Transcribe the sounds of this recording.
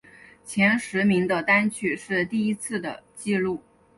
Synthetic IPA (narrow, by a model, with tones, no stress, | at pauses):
t͡ɕʰjɛ˧˥nʂɻ̩˧˥mi˧˥ŋd̪ə˧t̪a˥nt͡ɕʰy˥˧ʂɻ̩˥˧t̪i˥˩i˥t͡sʰɹ̩˥˩d̪ə̰˩t͡ɕi˥˧lu˥˩